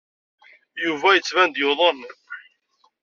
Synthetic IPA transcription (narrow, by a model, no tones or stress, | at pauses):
juvæjət͡sːvænd̪joðˤənː